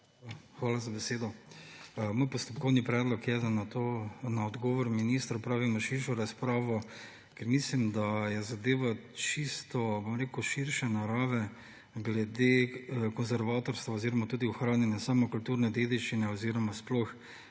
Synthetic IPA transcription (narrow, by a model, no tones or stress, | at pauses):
xʋaːlazabɛseːd̪ɔ | moːjpɔst̪ɔp̚kɔwnipɾɛd̪lɔkjɛd̪anat̪onaɔd̪ɡɔːʋɔɾminiːst̪ɾapɾaːʋimɔʃiɾʃɔɾaspɾaːʋɔ | kɛɾmislimd̪ajɛzad̪eːʋat͡ʃist̪ɔbomɾeːkuʃiɾʃɛnaɾaːʋɛ | ɡlɛd̪ekɔnzɛɾʋaːt̪ɔɾst̪ʋaɔziːɾɔmat̪uːd̪iɔxɾaːnjɛnjasaːmɔkult̪uɾnɛd̪ed̪iʃt͡ʃinɛɔziɾɔmasplɔx